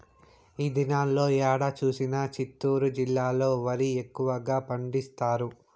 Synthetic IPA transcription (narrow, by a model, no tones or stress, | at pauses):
iːd̪inaːlːo̞ːjaːɽɐt͡ʃuːsinɐt͡ʃit̪ːuːɾud͡ʒilːaːlo̞ːʋɐɾiekːuʋɐɡaːpɐɳɖist̪aːɾu